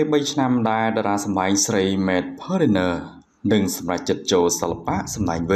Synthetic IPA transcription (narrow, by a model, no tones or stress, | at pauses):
əːɓəjt͡ɕʰnamɗaɛlɗaɾaːsɑmɗaɛŋsrəjmɛːt̪̚pʰəːɾinəː | nɨŋsɑmrac̚t͡ɕɨt̪̚t͡ɕoːlsəlːapaʔsɑmɗaɛŋʋɨ